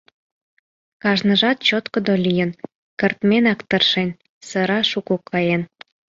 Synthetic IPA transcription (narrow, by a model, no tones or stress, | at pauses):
kɑʒnə̆ʒɑt̪̚t͡ɕot̪kŏd̪olʲijən | kərt̪menɑkt̪ərʃen | sə̆ɾɑʃukukʰːɑjen